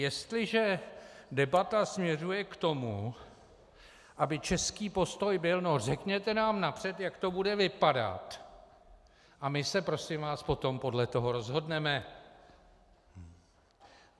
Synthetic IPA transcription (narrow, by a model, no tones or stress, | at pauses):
jɛst̪lɪʒɛdɛbat̪asmɲɛrujɛkt̪o̞mu | ʔabɪt͡ʃɛskiːpo̞st̪o̞jbɪlnorɛkɲɛt̪ɛnaːmnapr̝̥ɛt̪jakt̪o̞budɛvɪpada̰t̪ | ʔamɪsɛpɾo̞sɪmvaːspo̞t̪o̞mpo̞dlɛt̪o̞ɦo̞ɾo̞zɦo̞dnɛmɛ